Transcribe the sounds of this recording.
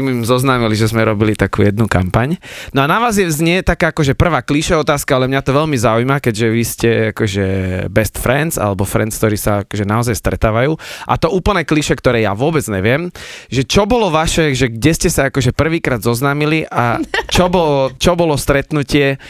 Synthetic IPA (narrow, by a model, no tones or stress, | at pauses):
mimzɔznaːmiliʒɛzmɛɾɔbilit̪akṵːjɛd̪nuka̰mpaɲnɔanaʋaːzjɛzɲɛt̪akaːakɔʒɛpr̩ʋaːkliʃɛɔt̪aːskaalɛmɲat̪ɔʋɛlmizaujmakɛɟʒɛʋiscɛakɔʒɛbɛst̪fɾɛnza̰lɛbɔfɾɛ̰nt͡skt̪ɔɾiːsaakɔʒɛnaɔzajst̪ɾɛt̪aːʋajuːʔa̰t̪ɔuːpl̩nɛːkliʃɛkt̪ɔɾɛːja̰ʋʊɔbɛd͡zɲɛʋɪɛmʒɛt͡ʃɔbɔlɔʋaʃɛʒɛɡɟɛscɛsaakɔʒɛpr̩ʋiːkɾaːd̪zɔznaːmiliʔat͡ʃɔbɔlɔt͡ʃɔbɔlɔst̪ɾɛt̪nucɪɛ